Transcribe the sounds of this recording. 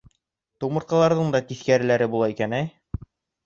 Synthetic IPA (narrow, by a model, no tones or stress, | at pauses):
t̪umɤ̆ɾqɑlˠɑɾðɤɴd̪ɑt̪iθkæɾɘ̆læɾɘbulˠɑikænæj